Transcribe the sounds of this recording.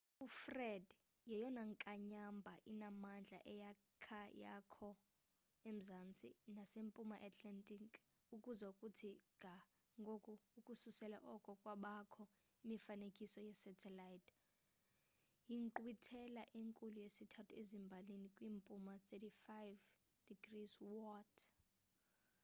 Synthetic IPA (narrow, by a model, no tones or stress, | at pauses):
ufrɛd | jɛjɔnaŋkʼaɲambʱaʔinamand͡ɮʱa̰ʔɛja | kʰaja̰kʰɔ | em̩zant͡sʼḭnasempʼumaʔatʰlɛntʼikʰʼ | ukʼuzaukʼutʰiŋʱa | ŋɡʱokʼuːkʼususɛla̰ʔɔkʼɔkʼwaɓakʰɔ | imifanekʼisɔjɛsɛtʰɛlajtʰ | jiŋǃwitʰɛlaʔeŋkʼulujesitʰatʰuezimbʱalinikʼwiːmpʼumat̪ʰetifajv | d̥iɡriswɔtʰ